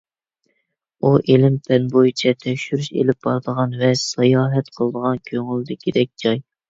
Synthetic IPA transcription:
uʔelɪmpʰɛnbojit͡ʃʰɛt̪ʰɛkʲʃyɾyʃḛlɪp̚b̥ɑɾd̪əʁɑnvɛsɑjɑːɦɛt̪qʰəlˠəd̪əʁɑnkʲʰøŋyld̪ɪkʲʰid̪ɛk̚ʲd͡ʒɑj

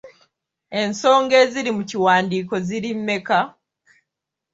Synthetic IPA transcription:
e̞nso̞ːŋɡe̞ːziɾimuciwaːndiːko̞ziɾimːe̞ka

